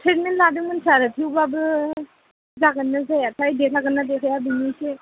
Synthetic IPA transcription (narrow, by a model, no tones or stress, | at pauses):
tʰɾet̚mentladɯmansaɾɯtʰiwbabɯ | zaɡənːazajasʰajdesʰaɡɐnːadesʰajabinise